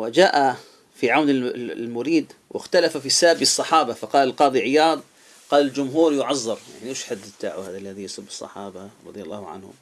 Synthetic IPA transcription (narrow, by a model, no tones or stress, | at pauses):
wɪd͡ʒaːʔa | fiʕawnɪlmʊɾiːd̪wʔɪ̰xt̪alafafisaːbisˤːɑħɑːbafɑqɑːlalqɑːd̪ˤiʕɪjɑːd̪̚ˤ | qɑːlald͡ʒʊmɦuːɾjʊʕɑzˤːɑɾˤja̰ʕniʔeʃħad̪ːɪt̪ːa̰ːʕuhaːðalːaðijɑsˤʊbːɨ̥sˤːɑ̰ħɑːbaɾˤɑ̰d̪ˤjalˤːɑ̰ːhʕa̰nhʊ̰m